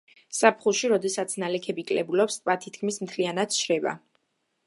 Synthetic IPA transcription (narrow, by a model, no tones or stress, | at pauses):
sapʰχuʃiɾɔd̪ɛsat̪sʰnalɛkʰɛbikʼlɛbulɔpst̪ʼpʼat̪ʰit̪̚ʰkʰmismt̪ʰlianat̪ʃɾɛba̰